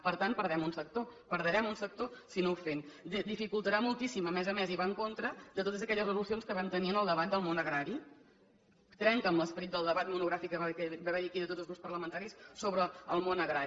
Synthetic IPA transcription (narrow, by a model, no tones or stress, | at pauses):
pəɾt̪ant̪̚pəɾðɛmunsək̚t̪opəɾðəɾɛmunsək̚t̪osinowfend̪d̪ifikulˠt̪əɾamulˠt̪isiməmɛzəmɛziβaəŋkont̪ɾəd̪ət̪ot̪əzəkɛʎəzrəzulusionskəβɛmt̪əniənəlˠd̪əβ̞at̪̚d̪əlˠmonəɣɾaɾi | t̪ɾɛŋkəmləspəɾit̪̚d̪əlˠd̪əβat̪munuɣɾafikːəβakbaβɛɾiəkiðət̪ot̪əlzɣuspəɾləmənt̪aɾissoβɾəəlˠmonəɣɾa